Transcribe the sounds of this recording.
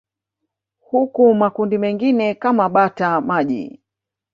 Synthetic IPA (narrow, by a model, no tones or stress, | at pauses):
hukumakundimɛŋɡinɛkamaɓatamaʄḭ